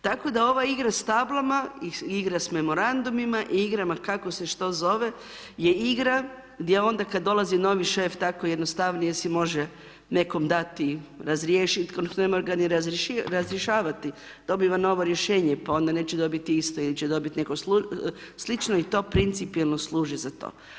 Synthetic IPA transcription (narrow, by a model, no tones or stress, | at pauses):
t̪ako̞d̪ao̞ʋaiɡɾast̪ablˠamaiiɡɾasme̞mo̞ɾand̪umimaʔiiɡɾamakako̞seʃt̪o̞zo̞ʋe̞ | jeiɡɾa | ɡd̪jeo̞nd̪akad̪ːo̞lazino̞ʋiʃeft̪akojed̪nost̪aʋnijesimo̞ʒe | ne̞ko̞md̪at̪iɾazɾjeːʃit̪konsemoɾɡaniɾazʃɾazɾjeʃaːʋat̪i | d̪̥o̞biʋano̞ʋo̞ɾjeʃe̞ːɲepao̞nd̪ane̞ːt͡ʃɛd̪o̞bit̪iist̪oilit͡ɕɛd̪o̞bit̪inekosuslit͡ʃnoit̪o̞ːpɾint̪sipielˠno̞slˠuːʒizat̪o̰ː